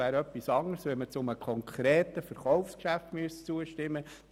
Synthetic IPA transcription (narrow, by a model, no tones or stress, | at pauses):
æːɾœpːisɑŋəɾsʋɛmət͡sʊməkʰɔŋkʰɾeːt̪əfəɾχɔʊfskʃæft̪myəst͡suəʃtɪmːə